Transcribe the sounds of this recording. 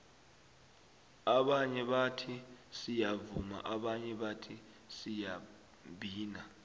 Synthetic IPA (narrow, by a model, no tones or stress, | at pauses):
aɓaɲɛɓatʰisijavuma̰ʔaɓaɲɛɓatʰi | sija | ɓʱiːna